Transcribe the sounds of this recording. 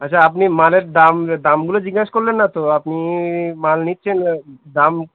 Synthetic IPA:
ətːɕʰaapnimaleɾd̪amd̪amɡulod͡ʑiɡːaʃkoɾlenːat̪oapnimalnitːʃʰend̪am

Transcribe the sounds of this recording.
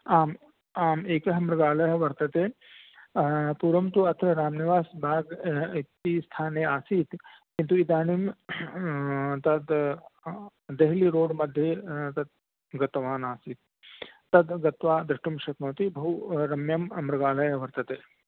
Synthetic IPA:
aːm | aːmeːkɐɦɐmɾɐɡaːlɐjɐʋɐɾt̪ɐt̪eː | puːɾɐmt̪uɐt̪ʰɾɐɾaːmniʋaːsbʱaːɡit̪ːist̪ʰaːneːaːsiːt̪kint̪uid̪aːnim | t̪ɐd̪ | d̪eɦliɾoːɖmɐd̪ʱjet̪ɐd̪̚ | ɡɐt̪ʋaːnaːsiːt̪̚ː | ɐd̪ɡɐt̪ʋaːd̪ɾɪʂʈumʃɐt̪mɐːt̪ibɐɦuɾɐmjɐmɐmɾɐɡaːlɐjɐʋɐɾt̪ɐt̪eː

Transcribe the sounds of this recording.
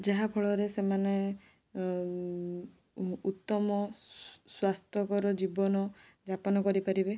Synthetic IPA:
d͡ʒaɦapʰɔɭɔɾesemane | ut̪ːɔmɔswast̪ʰɔkɔɾɔd͡ʒibɔnɔ | d͡ʒapɔnɔkɔɾipaɾibe

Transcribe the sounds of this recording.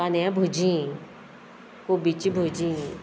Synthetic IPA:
aneãbʱud͡ʒĩ | kobit͡ʃibʱod͡ʒĩ

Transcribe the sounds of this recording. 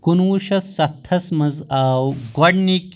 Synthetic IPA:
kunwuʃɐsɐt̪ʰːɐsmɐzaːwɡɐɖnik

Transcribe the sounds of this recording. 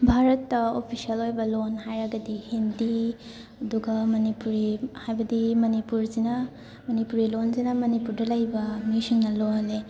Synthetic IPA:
bʱaɾɐtːɐopʰisiɐlojbɐlonɦajɾɐɡɐdihendi | ɐduɡɐmɐnipuɾihajbɐdimɐnipuɾzinɐ | mɐnipuɾilonzinɐmɐnipuɾdɐlɐjbɐmisiŋnɐloɦɐle

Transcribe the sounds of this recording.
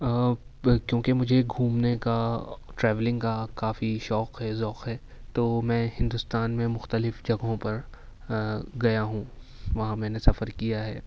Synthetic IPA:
kjõːkemʊd͡ʒʱeɡʱũːmnekaʈɾɛːʋlɪ̃ŋɡkakaːfiʃɔːqɦɛzɔːqɦɛː | t̪oːmɛ̃ːhɪ̃nd̪ʊst̪aːnmẽmʊxt̪əlɪfd͡ʒɐɡɦõpɐɾ | ɡɐjaɦũː | ʋɐɦãmɛ̃ːnesɐfəɾkijaɦɛː

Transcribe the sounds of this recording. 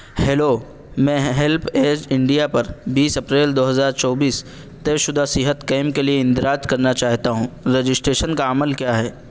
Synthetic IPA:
hɛːloː | mɛ̃ːɦɛlpʰeːd͡ʒɪ̃ɳɖijapɐɾbiːsɐpɾeːld̪oːɦɐzaːɾt͡ʃɔːbiːs | t̪eʃʊd̪ʱasɪɦət̪keːmkelieɪ̃nd̪ɪɾaːd͡ʒkɐɾnat͡ʃaːɦt̪aɦũːɾed͡ʒɪsʈɾeːʃənkaəməlkjaːɦɛː

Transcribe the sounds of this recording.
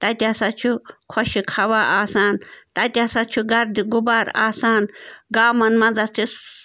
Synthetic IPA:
t̪ɐt̪ʲasɐt͡ʃʰukʰɔʃikʰɐʋaːaːsaːnt̪ɐt̪ʲasɐt͡ʃʰuɡɐɾd̪iɡʊbaːɾa̰ːsaːnɡaːmɐnmɐd͡zɐt̪ʰis

